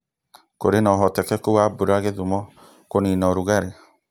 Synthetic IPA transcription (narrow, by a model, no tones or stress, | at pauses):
koɾenɔɦɔtɛkɛkowabuɾaɡeðumɔ | koninɔɾuɣaɾe